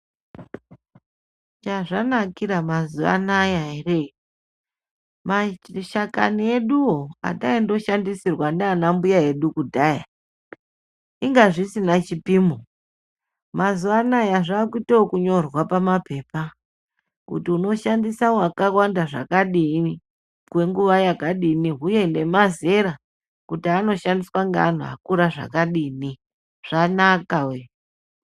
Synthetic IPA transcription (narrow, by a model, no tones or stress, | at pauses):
t͡ʃaʐanakiɾamazuʋa̰najaere | maʃakanie̞ɗuoa̰ɗaindo̞ʃandisirwananambujae̞ɗukudʱaːja | iŋɡaʐisinat͡ʃipiːmo | mazuʋanajaʐaːkuiteokuɲo̞rwapamape̞ːpa | kṵtiuno̞ʃandisawakawandaʐa̰kaɗii | kwe̞ŋɡuʋajakaɗiniɦuje̞nde̞maze̞ɾa | kutiano̞ʃandiswaŋɡaːn̤uɦa̰kuɾaʐa̰kaɗiːni | ʐ̥anakawe